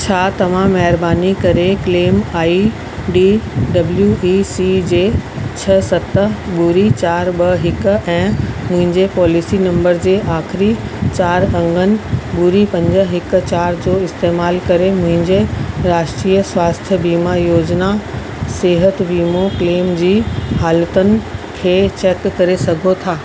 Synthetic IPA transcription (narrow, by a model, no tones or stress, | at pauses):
t͡ɕʰaːt̪ɐʋ̤ãːɛɦɪɾbaːnikɐɾekleːmaːi | ɖiɖɐbljuiːsid͡ʑeːt͡ɕʰɐsɐt̪əɓuːɾit͡ɕaːɾɓɐɦɪkʊ̆ɛ̃ːmʊ̃ɦɪ̃ɲd͡ʑepɔːlisinɐ̃mbəɾd͡ʑeːʔaːxɪɾit͡ɕaːɾɐ̃ŋɡʱənɪ̆ɓʊɾipɐ̃ɲd͡ʑə̆ɦɪk̆t͡ɕaːɾd͡ʑoːɪst̪eːmaːlkɐɾemʊ̃ɦɪ̃ɲd͡ʑeɾaːʃʈɾiːəswaːst̪ʰjəbiːmajoːd͡ʑna | seːɦət̪ʋiːmokleːmd͡ʑiːhaːlət̪ənɪ̆kʰeːt͡ɕeːkːɐɾesɐɡʱot̪ʰaː